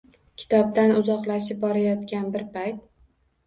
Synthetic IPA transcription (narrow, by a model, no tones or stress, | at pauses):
kʲʰɪ̥t̪ʰɒb̚d̪anʊzɒqlaʃɪp̚bɒɾajɒt̪kʲanbɪɾpʰajt̪̚